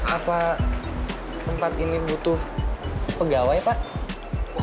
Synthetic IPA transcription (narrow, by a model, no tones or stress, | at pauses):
ʔapa | t̪əmpat̪inibut̪ʊhpəɡawajpaʔ